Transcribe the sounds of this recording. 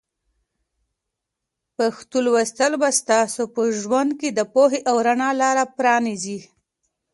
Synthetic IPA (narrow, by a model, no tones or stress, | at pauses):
pəxt̪ulwəst̪əlbast̪ɑsopəʒwand̪̚ked̪əpoɦeʔawɾaɳɑlɑɾapɾɑnizi